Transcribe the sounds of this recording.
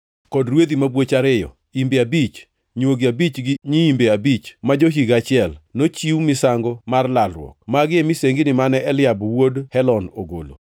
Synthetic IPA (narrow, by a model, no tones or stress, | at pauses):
kɔdɾwed̪imabwot͡ʃaɾɪjɔ̰ | imbeabit͡ʃ | ɲwoɡɪabit͡ʃɡɪɲiimbeabit͡ʃmad͡ʒoɦiɡat͡ʃɪɛlnot͡ʃiumɪsaŋɡomarlalwɔ̰k̚maɡɪemɪseŋɡɪnɪmanɛɛlɪjabwodhɛlɔnoɡo̰lo̰